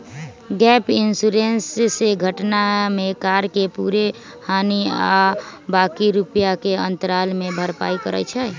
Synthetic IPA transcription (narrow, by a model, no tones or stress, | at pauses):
ɡɛpinsuɾensːeɡʱəʈnamekaɾkepuɾe | haniabakiɾupjakeə̃nt̪əɾalmebʱəɾpa̰ikəɾə̰t͡ʃʰɛ